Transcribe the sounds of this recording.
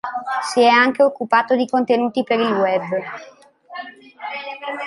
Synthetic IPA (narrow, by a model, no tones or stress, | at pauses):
siɛaŋk̟eokːupaːt̪od̪ikont̪enuːt̪ipeɾilwɛbː